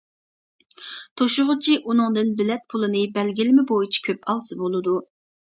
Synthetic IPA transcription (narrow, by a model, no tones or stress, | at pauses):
t̪ʰoʃʊʁʊt͡ʃʰiʔunɨŋd̪ɨnbɪlɛt̪̚pʰulˠɨnɨbɛlɡʲilɪmɪbojit͡ʃʰi̥kʲʰøpʰɑlˠsɨbolˠɨd̪u